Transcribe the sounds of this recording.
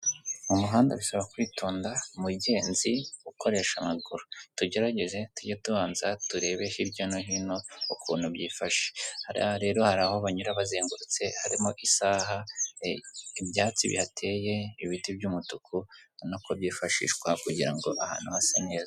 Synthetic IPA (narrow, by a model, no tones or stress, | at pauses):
umuɦaːndaβisaβakwiːtʰoːndamuɟe̞ːnziɡuko̞ɾe̞ːʃamaɡuɾutuɟe̞ɾaɟe̞ʒe̞tuɟotuβaːnzatuɾe̞ːβe̞hiɾɟonoɦino̞ukʰuːn̥hubjiːfaʃe̥haɾa̰ɾe̞ːɾo̞haɾaho̞βaɲuɾaβazeːŋɡuɾut͡se̞haɾimo̞ʔisaːɦa | ibjaːt͡sḭβḭhatʰe̞ːje̞iβitibɟumutukʰunokobjiːfaʃḭːʃwakuɟiɾa̰ŋɡo̞ʔaha̰ːnhuhasane̞ːza